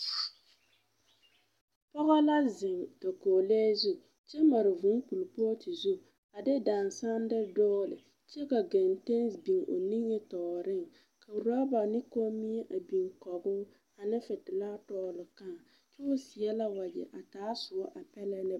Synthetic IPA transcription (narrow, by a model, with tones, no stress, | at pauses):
pɔ˦ɣa˦la˦zɪ˨ŋto˨koː˨le˦zu˦ | t͡ʃɛ˦ma˨ɾɪ˨vu˨˦ŋ˦pu˨lpo˦tɪ˨zu˦ | a˨dɪ˦daː˨nsa˦n˦dɪ˦dɔː˦lɪ̰˨ | t͡ʃɛ˦ka˨ɡɛ˨nte˦nsbi˨ŋʔo̰˨ni˦ŋːɛ˦tɔː˨ɾɪ˦ŋ | ka˨ɾɔ˦ba˨nɪ˦ko˦mi˦ɛ˦ʔa˨bi˨ŋkɔ˨bʊː˦ | a˨nɪ˦fɪ˨tɪ˨la˦tɔː˦˨lɪ˨ka˦˨ | t͡ʃʊ˦sɪ˨ɛ˦la˦wa˨d͡ʒɪ̰˨ʔa˨taː˨˦sʊ˨ɔ˦ʔa˨pɛ˦lɛ˦nɪ˦